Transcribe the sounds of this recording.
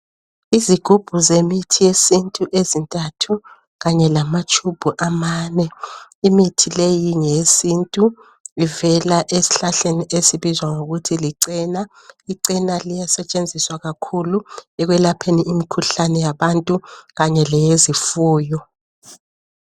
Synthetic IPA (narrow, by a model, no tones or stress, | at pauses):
iziɡ̥ʱub̥ʱuzemitʰijesintʼuʔezintʼatʰu | ɣaɲɛlamat͡ʃʼub̥ʱuʔamaːnɛimitʰilejiŋesintʼu | ivɛlaʔesi̥ɬaɬeniʔesiβizwaŋoɣutʰiliǀina | iǀinalijasɛt͡ʃʼend͡zʱiswaɣakʰuluɛɣwɛlapʰeniimikʰuɬanɛjaβantʼuɣaɲɛlɛjezifuːjɔ